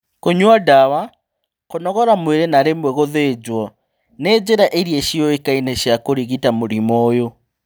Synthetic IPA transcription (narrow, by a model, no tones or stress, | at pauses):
koɲwadawa | konɔɣɔɾamweɾenaɾemwɛɣoðed͡ʑwɔ | ned͡ʑeɾaʔeɾieʃiɔekaineɕjakoɾiɣitamoɾimɔjo